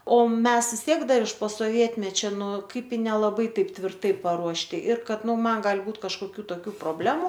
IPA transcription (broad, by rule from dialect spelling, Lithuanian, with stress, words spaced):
oː ˈmʲɛs ʋʲɪs ˈtʲiɛk ˈdɐr ɪʃ poː soːˈʋʲiɛtʲmʲɛt͡ʃʲɛ ˈnʊ ˈkɐɪp ɪ nʲɛlˠɐˈbɐɪ ˈtɐɪp tʲʋʲɪrˈtɐɪ pɐruɔʃʲˈtʲɪ ɪr ˈkɐt ˈnʊ ˈmɐn ˈɡɑːlʲɪ ˈbuːt kɐʃkoːˈkʲuː toːˈkʲuː proːˈbʲlʲæːmʊ